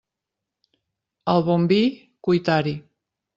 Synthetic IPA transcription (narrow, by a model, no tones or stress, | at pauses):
alβombi | kujt̪aɾi